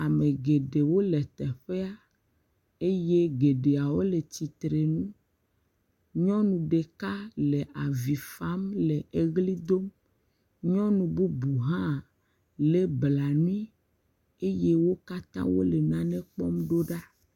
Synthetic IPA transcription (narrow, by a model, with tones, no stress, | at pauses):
a˨mẽ˨ɡe˨ɖe˨wo˦lɛ˨t̪ɛ˨ɸe˦a˦ | e˦je˦ɡe˨ɖe˨a˨wo˦le˨t͡ɕ̪i˨t̪ɾe˨nũ˦ | ɲɔ̃˦nũ˨ɖe˨ka˦le˨ʔa˨vi˨fa˦mle˨e˦ɣli˦d̪o˦m | ɲɔ̃˦nũ˨bu˦bu˨ɦã˦˨ | le˦bla˨nũ˦i˦ | e˦je˦wo˦ka˦t̪ã̰˦wo̰˦le˨nã˨nɛ̃˦k͡pɔ˦mɖo˦ɖa˦